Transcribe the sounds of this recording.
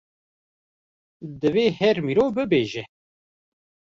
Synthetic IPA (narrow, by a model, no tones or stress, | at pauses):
d̪ɨveːhɛɾmiːɾoːbɨbeːʒɛ